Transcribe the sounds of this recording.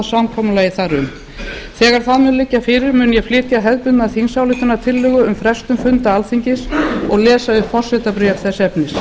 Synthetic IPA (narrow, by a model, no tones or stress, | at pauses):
ðsamkʰɔmʏlajɪθaɾʏm | θɛːɣaɾ̥θaðmʏnlɪcːafɪɾɪɾmʏːnjɛflɪːt̪jaɦɛðpʏnnaðθinsawlɪt̪ʏnːat̪ʰɪlːʏːɣʏʏmfɾɛst̪ʏmfʏnt̪aalθiɲcɪsɔɣlɛːsaʏpfɔr̥sɛt̪apɾʏjɛfθɛsɛpnɪs